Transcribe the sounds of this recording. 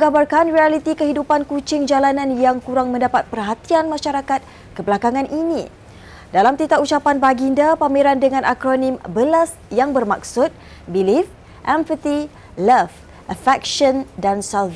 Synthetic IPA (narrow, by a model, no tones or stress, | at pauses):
əɡabarkanrialit̪ikəɦidupankut͡ʃɪŋd͡ʒalanãnjaŋkuɾaŋmə̃ndapat̪̚pərɦat̪ianmãʃaɾakat̪̚ | kəbəlakaŋãnʔinḭ̃ | dalamt̪it̪aʔut͡ʃapanbaɡindapamiɾandəŋãnʔakɾonĩmbəlas | jaŋbərmak̚sʊt̪̚ | bilif | ʔɛɱfət̪i | lɛf | ʔəfɛk̚ʃɔndansalv